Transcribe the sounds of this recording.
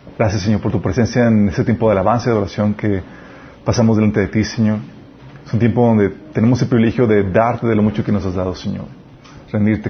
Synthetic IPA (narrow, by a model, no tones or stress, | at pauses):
ɡ̥ɾasjasːeɲo̞ɾpoɾt̪upɾese̞nsjaeneset̪je̞mpo̞ðeelaβanseðo̞ɾasjo̞ŋke | pasamozðelant̪e̞ðet̪iseɲo̞ɾ | esunt̪jemp̬o̞ðo̞nd̪e̞t̪e̞ne̞mo̞s̬elpɾiβilexjo̞ðe̞ðaɾt̪eðelomut͡ʃokeno̞sazðaðoseɲo̞̰ɾ | rend̪iɾt̪e